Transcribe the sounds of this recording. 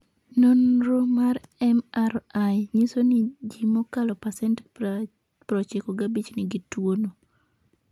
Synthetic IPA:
nonɾomarɛmarajɲɪsonɪd͡ʒimokalɔpasɛnt | pɾɔt͡ʃɛkoɡabit͡ʃnɪɡitwono

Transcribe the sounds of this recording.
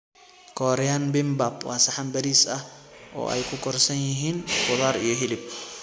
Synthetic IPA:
kʰɔːɾɛjanbɪmbabwaːsɐħambɐɾiːsɐʔɔ̰ːʔɐ̰jkʰʊkɔɾsɐnjɪɦiːnkʊðaːɾɪjɔɦɪlɪb̚

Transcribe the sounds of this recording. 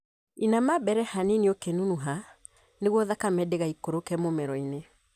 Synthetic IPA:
inamabɛɾɛhaniniokenunuɦa | neɣwɔðakamɛdeɣaikoɾokɛmomɛɾɔine

